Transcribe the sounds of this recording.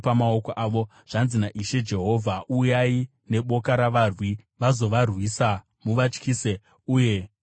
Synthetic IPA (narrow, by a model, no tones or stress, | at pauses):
amaokoʔaːʋo̞ | ʐ̥anzinaʔiʃe̞d͡ʒe̞ɦo̞vʱaujai | ne̞ɓo̞kaɾaʋarwi | ʋazo̞ʋarwiːsa | muʋat͡ʃkiːse | uːje̞